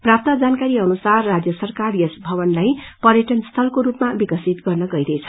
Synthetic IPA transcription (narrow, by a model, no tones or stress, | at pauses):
prap̚t̪ad͡zankaɾiʌnusarːad͡zjʌsʌrkarjʌsbʱʌβʌnlajpʌɾjʌʈʌnst̪ʰʌlkoɾupmabikʌsit̪ɡʌrnʌɡʌidʌjt͡sʰʌ